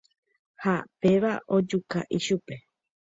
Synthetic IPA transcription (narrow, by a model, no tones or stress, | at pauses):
hape̞ʋaʔo̞d͡ʒuka̰ʔiʃupe̞